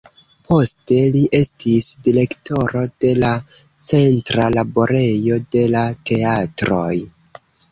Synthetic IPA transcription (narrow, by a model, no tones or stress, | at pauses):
po̞ste̞liʔe̞stisdiɾe̞kto̞ɾo̞d̥e̞la | t͡se̞ntɾalabo̞ɾe̞jo̞de̞late̞atɾo̞j